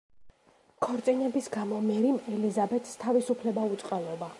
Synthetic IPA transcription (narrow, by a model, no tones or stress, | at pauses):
kʰɔɾt̪sʼinɛbisɡamɔmɛɾimɛlizabɛt̪ʰst̪ʰavisupʰlɛbaut̪sʼqʼalˠɔba